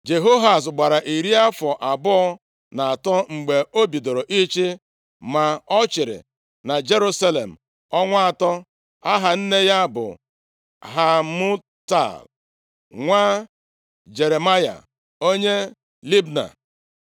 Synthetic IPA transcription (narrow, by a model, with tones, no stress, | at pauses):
d͡ʒe˨ɦo˦ɦa˨s̬ɡ͡ba˨ɾa˨ʔi˨ɾi˦a˦fɔ˨ʔa˨bʊ˦ɔ˦ | na˨a˨tɔ˦ŋ͡m̩˨ɡ͡be˨o˦bi˨do˨ɾo˨ʔi˦t͡ʃi˦ | ma˨ɔ˦t͡ʃɪ˨ɾɪ̰˨ | na˨d͡ʒe˦ɾu˦sa˦le˨m̩˨ | ɔ˦ŋʷa˦a˨tɔ˦ | a˦ɦa˨n̩˦ne˦ja˦bʊ̰˨ | ɦa˨mʊ˦ | ta̰˦˨l | ŋʷa˦ | d͡ʒe˨ɾe˨ma˦ja̰˨ | o˦ɲe˦ | li˦bna̰˨